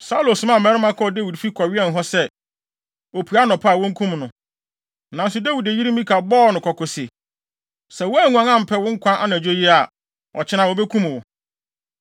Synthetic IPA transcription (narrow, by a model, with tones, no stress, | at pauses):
sa˦u˦lo˨sʊ̃˨˦mã˦˨mɛ̃˦ɾɪ˦mã˦kʰɔ˦˨de˦wi˨dfi˦kʰɔ˨ɥɪ˦ɛ˦˨n˨ɦɔ˦sɛ˦ | o˨pʰu˨a˦nɔ̃˨pʰa˦a˨wʊ̃˦ŋ̩˦kʰũ˦mnʊ̃˨ | nã˨n̩˦sʊ˦da˦wi˨de˨ji˦ɾi˦mĩ˦kʰa˨bɔː˦˨nʊ̃˨kʰɔ˨kʰʊ˨sɪ˨ | sɛ˨wɔ˦æ˦˨ŋũ˨ã˨ŋã˦˨m̩˨pʰɛ˦˨wʊ̃˦ŋ̩˦kʰʷã˦ʔa̰˦ñ˨æ˨d͡ʑᶣo˦ji˦a˨ | ɔ̰˨t͡ɕʰɪ˦nã˨wo˨bɛ˦kʰũ˦m˨wʊ˨